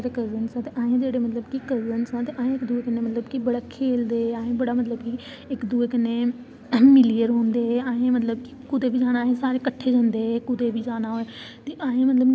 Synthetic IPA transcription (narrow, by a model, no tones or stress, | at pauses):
ɾkɐzənsãt̪eʔãːɦẽd͡ʒeːɽemɐt̪ləbkikɐzənsãt̪eʔãːɦẽɪkd̪uekənẽmɐt̪ləbkibɐɽakʰːeːld̪eãːẽbɐɽamɐt̪ləbki | ɪkd̪uekənẽ | mɪlijəɾɦõːnd̪eɦãːẽmɐt̪̬ləbkikʊd̪ʱebʱid͡ʒaːɽ̃aːɦesaːɾekɐʈʰed͡ʒɐ̃nd̪eekʊd̪ʱebʱid͡ʒaːɽ̃aɦoe | t̪eʔãːɦẽmɐt̪ləb